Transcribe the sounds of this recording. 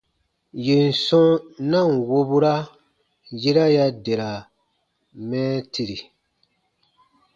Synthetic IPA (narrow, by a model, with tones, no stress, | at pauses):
je˨n̩˨sɔ̃˦nã˦˨ŋ̩˨wo˦bu˦ɾa˦ | je˦ɾa˦ja˦de˨ɾa˨ | mɛː˦ti˨ɾi˨